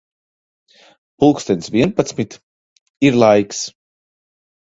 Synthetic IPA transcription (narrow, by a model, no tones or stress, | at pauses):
pulˠkst̪ʲɛnsviɛnpat̪smit̪ | iɾlˠajks